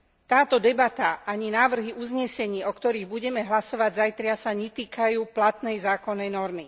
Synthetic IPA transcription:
t̪aːt̪ɔd̪ɛbat̪aʔaɲinaːʋr̩ɦiʔuzɲɛsɛɲiːɔkt̪ɔɾiːɣbuɟɛmɛɦlasɔʋaɟzajt̪ɾɪasaɲɛt̪iːkajuːplat̪nɛjzaːkɔnːɛjnɔɾmi

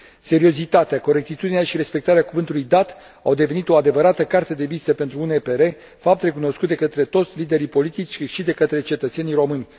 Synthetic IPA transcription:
se̞ɾio̞zit̪at̪eako̞ɾe̞k̚t̪it̪ud̪ineaʃiɾe̞spe̞k̚t̪aɾeakuvɨnt̪ulujd̪at̪ | awd̪e̞ve̞nit̪o̞ad̪e̞vəɾat̪əkart̪e̞d̪e̞vist̪əpe̞nt̪ɾuunepe̞ɾe̞ | fap̚t̪re̞kuno̞skut̪̚d̪e̞kət̪ɾe̞t̪o̞t̪sʲlid̪e̞ɾipo̞lit̪it͡ʃʲʃid̪e̞kət̪ɾe̞t͡ʃe̞t̪ət̪se̞nijɾo̞mɨnʲ

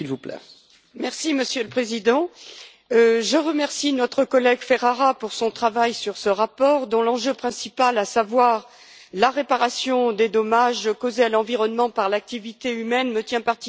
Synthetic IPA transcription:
silvuplɛ̰ | mɛʁsiməsjøləpχezid̪ɑ̃ | ʒəʁəmɛʁsinɔt̪χəkɔlɛɡfɛʁaʁapuʁsɔ̃t̪χavajsyʁsəʁapɔʁd̪ɔ̃lɑ̃ʒøpχɛ̃sipalasavwaʁ | laʁepaʁasjɔ̃d̪ed̪ɔmaʒkozealɑ̃viʁɔnmɑ̃paʁlak̚t̪ivit̪eymɛnmət̪jɛ̃paʁt̪i

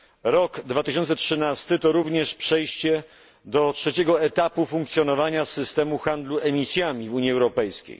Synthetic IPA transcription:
ɾɔɡd̪vat̪ɘɕɔnt̪sɛtʂɘnast̪ɘt̪ɔɾuvɲɛʂpʂɛjɕt͡ɕɛ | d̪ɔtʂɛt͡ɕɛɡɔɛt̪apufuŋk̚t̪sʲjɔnɔvaɲasɘst̪ɛmuxand̪luʔɛmʲisʲjamʲivuɲiɛwɾɔpɛjskʲḛj

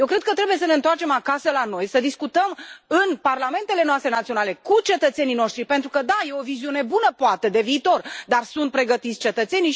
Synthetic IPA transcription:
jewkɾe̞d̪̚kət̪ɾe̞buje̞s̬əne̞ɨnt̪oart͡ʃe̞makasəlano̞jsəd̪iskut̪əmɨnparlame̞nt̪e̞le̞noast̪ɾenat̪sioale̞kut͡ʃe̞t̪ət̪senijno̞ʃt̪ɾipent̪ɾukəd̪aje̞o̞viziune̞bunəpoat̪e̞d̪e̞viːt̪o̞rd̪arsunt̪̚pɾe̞ɡət̪it̪sʲt͡ʃe̞t̪ət̪se̞ni

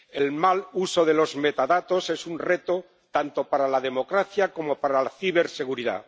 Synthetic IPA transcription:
elmaluso̞ðe̞lo̞zme̞t̪aðat̪o̞se̞sunre̞t̪o̞ | t̪ant̪o̞paɾalað̞e̞mo̞kɾaθjako̞mo̞paɾalaθiβ̞e̞ɾse̞ɣuɾiða̰

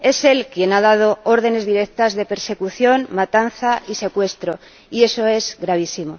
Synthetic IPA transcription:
e̞se̞lkje̞nað̞að̞o̞oɾð̞e̞ne̞zðiɾe̞k̚t̪azðe̞pe̞ɾse̞kuθjo̞nmat̪an̟θaise̞kwe̞st̪ɾo̞ | ie̞so̞e̞zɣɾaβ̞isimo̞

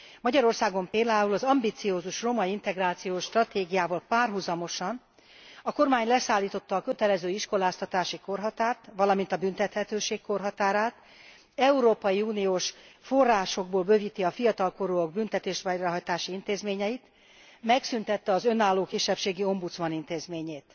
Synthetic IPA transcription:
mɒɟɒɾo̞rsaːɡo̞mpeːld̪aːulɒzɒmbit̪sioːzuʃro̞mɒint̪ɛɡraːt̪sijoːʃt̪rɒt̪eːɡijaːvɒːlpaːrɦuzɒmo̞ʃɒn | ɒko̞rmaːɲlɛsaːlːiːt̪o̞t̪ːɒːkø̞t̪ɛlɛzøːiʃko̞laːst̪ɒt̪aːʃiko̞rɦɒt̪aːrt̪ʋɒlɒmint̪ɒbynt̪ɛt̪hɛt̪øːʃeːkko̞rɦɒt̪aːɾaːt̪ | ɛuɾoːpɒjiuːnijoːʃfo̞rːaːʃo̞ɡ̚boːlbø̞vit̪iɒfijɒt̪ɒlko̞ɾuoɡ̚bynt̪ɛt̪eːʃʋɛjrɒɦɒjt̪aːʃiint̪eːzmeːɲɛit̪ | mɛksynt̪ɛt̪ːɛɒzø̞naːlːoːkiʃːɛpʃeːɡio̞mbut̪smɒnint̪eːzmeːɲeːt̪

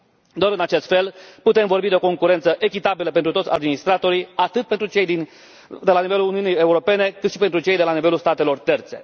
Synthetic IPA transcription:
d̪oaɾɨnat͡ʃe̞st̪fe̞lput̪e̞mvo̞rbid̪eoko̞ŋkuɾe̞nt̪səʔe̞kʲit̪abiləpent̪ɾut̪otsʲa̰d̪minist̪ɾat̪o̞ɾiat̪ɨt̪̚pent̪ɾut͡ʃe̞jd̪in | d̪e̞lanive̞luluniunije̞uɾo̞pe̞ne̞kɨt̪ʃipent̪ɾut͡ʃe̞jd̪e̞lanive̞lulst̪at̪e̞lo̞rt̪e̞rt̪se̞

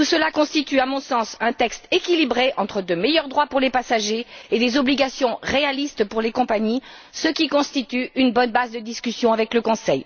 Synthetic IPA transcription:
t̪usəlakɔ̃st̪it̪yamɔ̃sɑ̃sɛ̃t̪ɛkst̪ekʲilibʁeʔɑ̃t̪χəd̪əmejœʁd̪ʁwapuʁlepasaʒeːd̪ezɔbliɡasjɔ̃ʁealist̪puʁlekɔ̃paɲisəkʲikɔ̃st̪it̪yynbɔnbazd̪əd̪iskʲysjɔ̃avɛkləkɔ̃sɛj

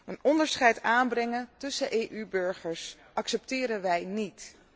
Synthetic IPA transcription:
ənɔndəɹsχɛjtaːnbrɛŋəntɵsəʔejʔybɵɹχəɹs | ʔɑksɛptɪːɾənʋɛjnit

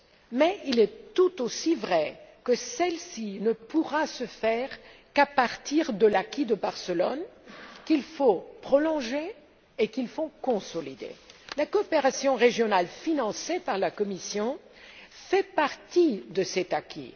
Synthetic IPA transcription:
mɛilɛt̪ut̪osivʁɛkəsɛlsinəpuʁasəfɛʁkapaʁt̪iʁd̪əlakʲid̪əbaʁsəlɔnkilfopχɔlɔ̃ʒeː | kilfokɔ̃sɔlid̪ḛlakɔːpeʁasjɔ̃ʁeʒjɔnalfinɑ̃sepaʁlakɔmisjɔ̃ | fɛpaʁt̪id̪əsɛt̪akʲʰḭ

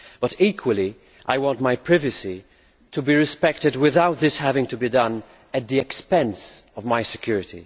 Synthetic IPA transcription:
b̥ʌtikʰwəlˠi | ʔajwɔ̃ntmajpʰɹɪvɨsi | tʰubiɹɪspɛk̚tɨd̚wɪðawt̪̚ðɪshævɪ̃ŋtubidʌ̃n | æt̪̚ðiɛkspɛ̃nsɔvmajsɛkj̥uɹɪtḭ

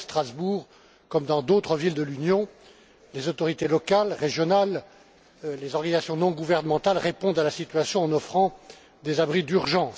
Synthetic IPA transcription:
st̪χazbuʁ | kɔmd̪ɑ̃d̪ot̪χəvild̪əlynjɔ̃ | lezɔt̪ɔʁit̪elɔkalʁeʒjɔnal | lezɔʁɡanizasjɔ̃nɔ̃ɡuvɛʁnəmɑ̃t̪alʁepɔ̃d̪alasit̪ɥasjɔ̃ɑ̃nɔfχɑ̃ | d̪ezabʁid̪yʁʒɑ̃s

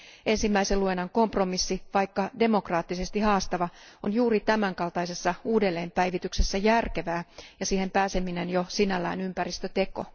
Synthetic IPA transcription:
e̞nsimːæiseluenːɑŋko̞mpro̞misːiʋɑijkːɑde̞mo̞krɑːt̪ːise̞st̪ihɑːst̪ɑʋɑonjuːrit̪æmæŋkɑlt̪ɑise̞sːɑuːdelːe̞ːmpæjʋit̪ykse̞sːæjærkeʋæːjɑsiːhe̞mpæːse̞mine̞njosinælːæ̰ːnympærist̪øt̪e̞ko̞̰

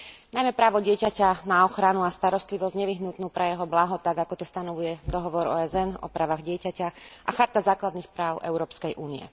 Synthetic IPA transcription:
najmɛpɾaːʋɔɟɪɛcacanaɔxɾanuast̪aɾɔst̪liʋɔzɲɛʋiɦnut̪nuːpɾɛjɛɦɔblaɦɔt̪aɡakɔt̪ɔst̪anɔʋujɛd̪ɔɦɔʋɔɾɔ̰ːɛzɛnɔ̰pɾaːʋaɣɟɪɛcacaʔaxaɾt̪azaːklad̪nixpɾaːʊʔɛ̰ʊɾɔːpskɛjʔuːniɛ̰

